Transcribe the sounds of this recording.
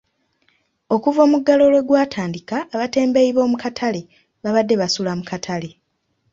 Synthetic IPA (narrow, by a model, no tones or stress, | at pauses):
o̞kuvo̞ːmuɡːalo̞lwe̞ɡwaːtʰaːndikaːβate̞ːmbe̞iβo̞ːmukatʰale̞ | βaβadːe̞βasulamukatʰale̞